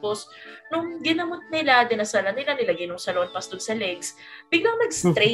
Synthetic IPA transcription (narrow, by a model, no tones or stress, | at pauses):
posnʊŋɡɪnɐmot̪̚nɪlad̪ɪnɐsɐlɐnɪlanɪlɐɡɐɪjnʊŋsɐloʔɐn̚pɐst̪olsɐlɛɡs | b̥ɪɡlɐŋmɐɡst̪ɾɛ